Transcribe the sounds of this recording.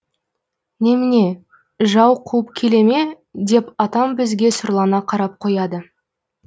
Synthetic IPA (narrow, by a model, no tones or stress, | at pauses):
nemɪne̞ | ʒɑwqʰuəp̚kʲʰe̞le̞me̞ | d̪e̞pɑt̪ɑmbɪzɡʲe̞sʊɾlˠɑnɑqʰɑɾɑp̚qʰo̞jɑd̪ə